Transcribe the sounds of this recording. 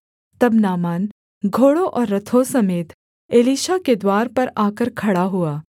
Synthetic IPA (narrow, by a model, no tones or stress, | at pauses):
t̪ɐbnaːmaːn | ɡʱoːɽõʔɔːɾːɐt̪ʰosɐmeːt̪ | eːliːʃaked̪waːɾpɐɾaːkəɾkʰɐɽaɦuaː